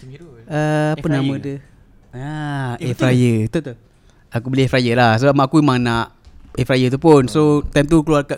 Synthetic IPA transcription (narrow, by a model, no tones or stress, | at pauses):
əpunamə̃də | aefɾajət̪ut̪ | akubəliefɾajəlahsəbamaːkuimaŋnaʔefɾajət̪upunsot̪ajmt̪ukəluarka